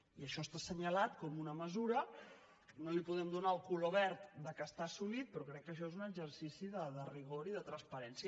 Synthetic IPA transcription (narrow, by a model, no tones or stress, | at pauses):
iəʃɔst̪asəɲəlat̪kɔmunəməzuɾə | nolipuðɛmd̪unaəlˠkuloβɛɾt̪d̪əkəst̪asulit̪̚pɾɔkɾɛkːəʃ̬ɔezunəɡd͡ʒərsisiðəðəriɣ̞oɾiðət̪ɾənspəɾɛnsjə